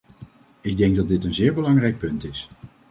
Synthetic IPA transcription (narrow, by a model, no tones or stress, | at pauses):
ɪɡ̚dɛŋɡ̚dɑt̚dɪtənzɪːɹbəlɑŋrɛjk̚pɵntɪs